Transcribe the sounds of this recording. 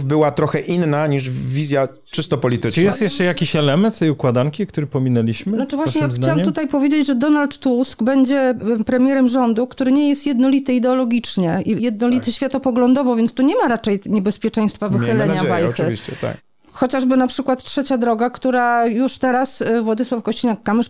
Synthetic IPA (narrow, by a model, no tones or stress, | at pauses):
bɘwat̪ɾɔxɛʔinːaɲiʐvʲizʲja | t͡ʂɨst̪ɔpɔlʲit̪ɘt͡ʂjɛst̪jɛʂt͡ʂɛjakʲiɕɛlɛmɛnt̪t̪ɛjukwad̪aŋkʲikt̪uɾɘpɔmʲinɛlʲiɕmɘnɔt͡ʂɨvwaɕɲɛjakxd̪t͡ɕawamt̪ut̪ajpɔvʲed͡ʑed͡ʑʐɛd̪ɔnalt̪ːuskbɛɲd͡ʑɛpɾɛmʲjɛɾɛmʐɔnd̪ukt̪uɾɘɲɛjɛst̪jɛd̪nɔlʲit̪ɘid̪ɛɔlɔɡʲit͡ʂɲɛijɛd̪̚nɔlʲit̪ɘɕfʲjat̪ɔpɔɡlɔnd̪ɔvɔvʲjɛnst̪ɔɲɛmaɾat͡ʂɛjɲɛbɛspʲjɛt͡ʂɛj̃st̪favɨxxɘlɛnɲajvajxɘviɕt͡ɕɛ̰t̪a̰k | xɔt͡ɕaʐbɘnapʂɘkwat̪tʂɛt͡ɕad̪ɾɔɡakt̪uɾajuʂt̪ɛɾasvwɔd̪ɘswafkɔɕt͡ɕinakːamɘʂ